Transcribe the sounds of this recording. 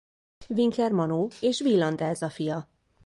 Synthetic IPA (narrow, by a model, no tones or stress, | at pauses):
viŋklɛrmɒnoːeːʃʋilːɒnd̪ɛːzɒfijɒ